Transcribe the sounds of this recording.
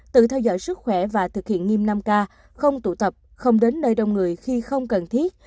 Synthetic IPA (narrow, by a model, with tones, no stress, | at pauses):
t̪ɨ̰˧˨t̪ʰɛ˧wzɔ̰˧˨jsɨ˦˥t̚xwɛ˧˩vaː˨˩t̪ʰɨ˨˩k̚hḭ˧˨ənŋi˧mna˧mkaː˧ | xə˧wŋ͡mt̪ṵ˧˩t̪ə˨˩p̚ | xə˧wŋ͡mɗe˨˦nːəː˧jɗə˨˧wŋ͡mŋɨ˨˩əjxi˧xə˧wŋ͡mkə˨˩nt̪ʰi˦˥ət̚